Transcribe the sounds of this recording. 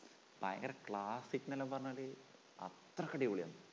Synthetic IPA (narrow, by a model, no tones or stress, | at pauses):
ba̰ːjɐ̰ŋɡɐɾɐkɭaːsikːnɐlːɐmpɐrɐɲːɐli | ɐ̰t̪rɐkːɐɽioːɭijɐ̰nːɨ